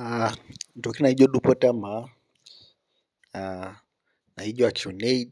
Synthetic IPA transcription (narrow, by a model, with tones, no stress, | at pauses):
an˨tɔ˨ki˦na˨i˦ʄɔ˦ɗu˦pɔ˦tama | a | na˨i˦ʄɔa˨t͡ʃu˨nɛid